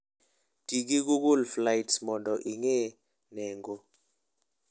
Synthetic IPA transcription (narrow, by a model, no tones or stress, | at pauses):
d̥ik̬ik̬uk̬ulflajtsmɔntɔʔiŋɛ | nɛːŋɡɔ